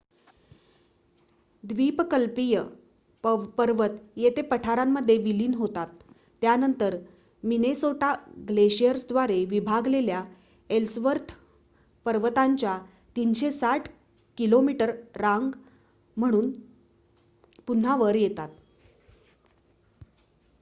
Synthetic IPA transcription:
d̪ʋipkəlpijə | pəɾʋət̪jet̪epəʈʰaɾamːəd̪ʱːjeʋiliːnɦot̪at̪ː | janənt̪əɾ | minesoʈaɡleɕijəɾsd̪ʋaɾeʋibʱaɡlelja | elsʋəɾt̪ʰ | pəɾʋət̪aɲt͡ɕja | t̪iːnɕesaʈʰ | kilomiʈəɾːãŋɡ | m̤əɽ̃uːn | pun̤ːaʋəɾjet̪at̪̚

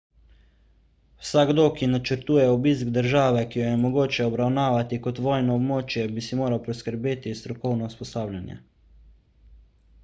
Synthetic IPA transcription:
wsaɡd̪oːkinat͡ʃəɾt̪uːjɛobiːskd̪əɾʒaːʋɛkijɔjɛmoɡoːt͡ʃɛɔbɾawnaːʋat̪ikot̪ʋɔːjnɔːbmoːt͡ʃjɛbisimoːɾawpɾoskəɾbeːt̪ist̪ɾɔkɔwnɔuspɔsaːwlʲanjɛ̰

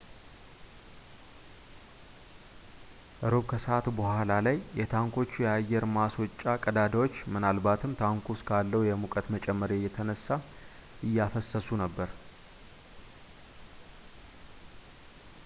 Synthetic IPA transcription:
ʔɨɾoβkʰəsəat̪bəhʷalalajːɛt̪ʰaŋkʰo̞t͡ʃːujɛajːɛɾmaswɔt͡ʃʼːakʼəd̪ad̪awot͡ʃːmɨnalbat̪ʰɨmt̪ʰaŋkʷuskʰalːəwjɛmukʼət̪mət͡ʃʼɛmːəɾjɛjːɛt̪ʰənəsːa | ʔɨjːafəsːəsunəbːəɾ

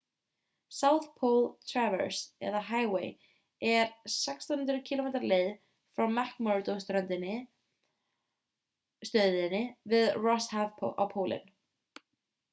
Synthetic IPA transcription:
sawθpʰowlt̪ʰɾavɛ̰ɾsɛ̰ðaɦaːjwḛːj | ɛɾ̥sɛkst̪ant̪ɾʏcʰilomejt̪aɾleːjð | fɾawmɛhkmɔt̪owst̪ɾœnt̪ɪnːɪ | st̪œɥðɪnːɪvɪðrɔshavpʰo̰ʔa̰wpʰoːwlʔɪ̰n

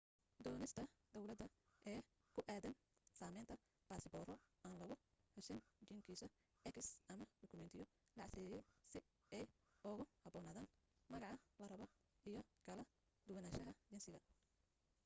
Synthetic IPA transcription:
d̪ɔːnɪst̪ʰɐd̪ɔwlɐd̪ɐ | ʔɛː | kʰʊʔaːðɐn | saːmɛjnt̪ʰɐ | b̥aːsɪbɔːrɔaːnlɐɣʊ | ħʊsɪnt͡ʃiŋkʰiːsɐ | ʔɛkɪsɐmɐɖɔkʰʊmɛnt̪ʰɪjɔ | lɑʕsɪjjɛjsɪ | ɛj | ʊɣʊhɐbɔːnaːðaːn | mɐɣɑʕɑlɐrɐβɔ | ijɔkʰɐlɐ | d̪ʊwɐnaːʃɐɦɐd͡ʒɪnsɪɣɐ

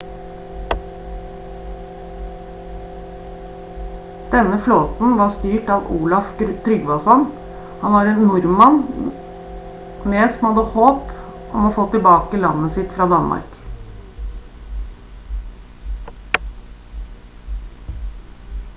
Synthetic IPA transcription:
d̪̥ɛnəfloːt̪n̩ʋɑst̪yːʈɑʋuːlɑft̪ʰɾʏɡʋɑsɔn | hɑnʋɑːɾeːnnʊɾmɑn | meːsɔmhɑd̪əhoːpʔɔmoːfoːt̪ɪlbɑːkəlɑnːəsɪt̪fɾɑːd̪ɑnmɑ̰ɾk

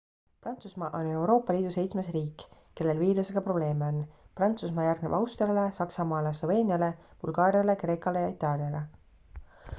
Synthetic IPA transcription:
prɑnt̪susmɑʔo̞ne̞wɾo̞ːpːˑɑliːd̪̥use̞jt̪sme̞sriːkːˑ | ke̞lːe̞lviːluseɡ̥ɑpro̞ble̞ːmeo̞nːprɑnt̪susmɑːjærɡ̥neb̥ɑwst̪rijɑlesɑksɑmɑːleslo̞ve̞ːnʲiɑle̞b̥ṵlɡ̥ɑːɾijɑle̞kre̞ːkɑle̞jɑit̪ːˑɑːlijɑle̞

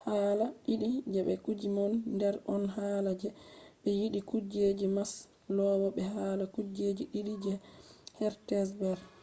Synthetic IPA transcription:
haːlaɗiɗid͡ʒɛɓɛkud͡ʒimɔnːdɛɾʔɔnɦaːlad͡ʒɛbɛjiɗikud͡ʒed͡ʒimas | lɔwɔbɛɦalakud͡ʒed͡ʒiɗiɗid͡ʒɛhɛɾtɛsbɛɾ

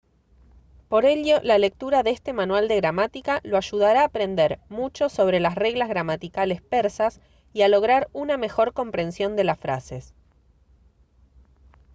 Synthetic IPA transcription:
po̞ɾe̞ʎo̞lale̞k̚t̪uɾaðest̪e̞manwald̪e̞ɣɾamat̪ikaloaʒuð̞aɾaːpɾe̞nd̪eɾmut͡ʃo̞so̞β̞ɾe̞lasreɣlazɣɾamat̪ikale̞speɾsas | ialo̞ɣɾaɾuname̞xo̞ɾko̞mpɾe̞nsjo̞nd̪e̞lasfɾa̰se̞s

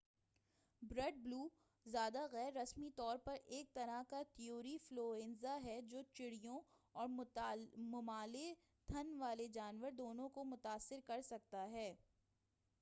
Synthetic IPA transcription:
bɾɐɖ̚bluː | zjaːd̪aɣɛːɾːɐsmit̪ɔːɾpɐɾeːk̚t̪ɐɾakat̪ɪjoːɾifloːẽnzaɦɛd͡ʒoːt͡ʃɪɽijõɔːɾ | mʊmaːle | t̪ʰɐnʋaːled͡ʒaːnʋəɾd̪oːnõkomʊt̪aːsːɪɾkɐɾsɐk̚t̪aɦɛː

